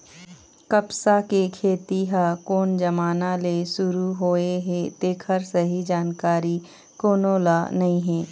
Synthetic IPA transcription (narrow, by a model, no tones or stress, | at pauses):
kɐpsakekʰeːt̪iɦakoːnd͡ʒɐmaːnalesʊɾuɦoːeɦet̪eːkʰəɾsəɦid͡ʒaːnkaːɾi | koːnoːlanɐĩɦɛ̃ː